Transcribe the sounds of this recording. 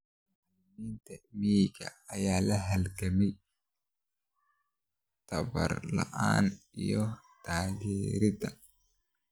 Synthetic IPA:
mint̪ʰɐmiːɡɐ̰ːjaːlɐɦɐlɡɐmɛj | t̪ʰɐbɐ̰rlɐ̰ʔaːn | ijɔt̪ʰaːɣɛːɾɪd̪ɐ

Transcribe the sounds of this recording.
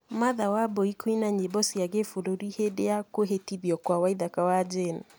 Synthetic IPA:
maðawabɔikuinaɲebɔsiaɡefuɾuɾiheɗɛakuɦetiðjɔkwawaiðakawad͡ʒen

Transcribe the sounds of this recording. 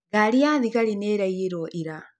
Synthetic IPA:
ɣaɾiaðiɣaɾineɾaieɾɔʔiɾa

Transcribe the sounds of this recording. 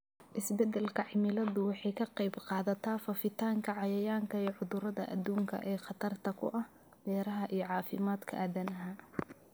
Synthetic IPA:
ʔɪsbɛd̪ɛlkʰɐʕɪmɪlɐðʊwɑħɑjkʰɐqɑjbqɑːðɐt̪ʰaːfɐfɪt̪ʰaːŋkʰɐʕɑjɐjaːŋkʰɐɛːʕʊðʊɾɐðɐʔɐ̰d̪uːŋkʰɐ̰ʔɛːqɑt̪ʰɐrt̪ʰɐkʰʊ̰ʔɐh | b̪̥ɛːɾɐɦɐʔijɔʕɑːfɪmaːd̪kʰɐʔaːðɐnɐɦa

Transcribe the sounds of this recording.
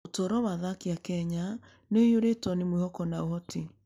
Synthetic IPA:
otoːɾɔwaðakiakɛɲa | nojoɾetɔnemwehɔkɔnaohɔti

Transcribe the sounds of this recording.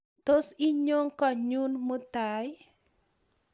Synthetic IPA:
t̪osiɲoŋkɔɲunmut̪aj

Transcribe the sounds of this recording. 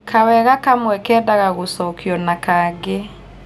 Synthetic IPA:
kʰawɛɣakamwɛkɛdaɣaɣosɔkjɔnakaɡe

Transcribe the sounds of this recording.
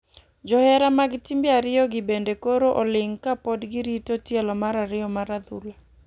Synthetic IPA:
d͡ʒɔhɛɾamaɡɪtimbjaɾɪjɔɡɪbendekoɾoʔolɪŋkapɔdɡɪɾitotjɛlɔmaɾaɾɪɔmaɾad̪ṵla

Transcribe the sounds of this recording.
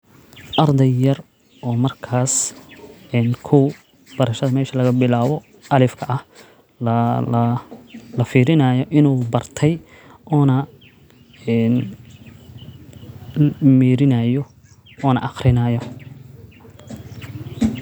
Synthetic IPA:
ʔɐrd̪ɛjjɐr | ɔːmɐrkʰaːs | ɛːnkʰʊw | b̥ɐɾɐʃɐðɐmɛːʃɐlɐɣɐbɪlaːβɔ | ʔɐlɪfkʰɐʔɐh | lɐɐlɐfiːɾɪnɐːjɔʔɪnuːbɐrt̪ʰɛj | ʔɔːnɐ | ɛːn | miːɾɪnɐjɔ | ɔːnɐ̰ʔɑχrɪnɐːjɔ

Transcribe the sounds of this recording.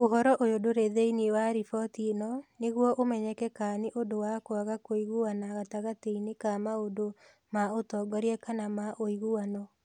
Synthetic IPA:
oɦɔɾɔʔojodoɾeðeinewaɾifɔtinɔneɣwɔʔomɛɲɛkɛkaneʔodowakoaɣakoiɣuanaɣataɣateinekamaodo | maotɔɡɔɾiɛkanamaʔoiɣuanɔ

